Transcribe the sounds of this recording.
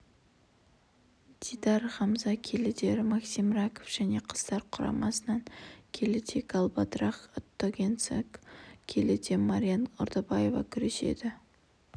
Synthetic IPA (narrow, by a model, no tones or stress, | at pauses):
d̪̥id̪ɑɾʁɑmzɑkʲʰelɪd̪e̞ɾɪmɑksimɾɑkʰofʒ̥æne̞qʰə̥z̥t̪ɑɾqʰʊɾɑ̰mɑsənɑŋkʲʰe̞lɪt̪ʰekɑlˠbad̪ɾɑχot̪ːoɡʲent̪sekkʲʰe̞lɪd̪e̞maɾʲijanʊ̰ɾd̪əbaje̞vɑ̰kʲʰʏɾe̞ʃe̞̰d̪ɪ